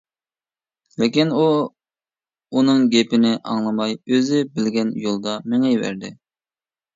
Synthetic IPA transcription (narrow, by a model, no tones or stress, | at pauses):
lɪkʲinu | unɨŋɡʲepɪnɪʔɑ̰ŋlˠɑmɑjøzɪbɪlɡʲɛnjolˠd̪ɑmɪŋɛjvæ̰ɾd̪ɪ